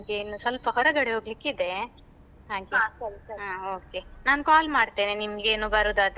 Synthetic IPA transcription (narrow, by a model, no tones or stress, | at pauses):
nimɡeːnuːsɐlpɐɦɔɾɐɡɐɽeɦoːɡlikːid̪e̞ | t̪ʰãːŋkjuaɐlaoːke̞naːnkaːlmaːɖt̪eːnenimɡeːnuːbɐɾuːd̪at̪e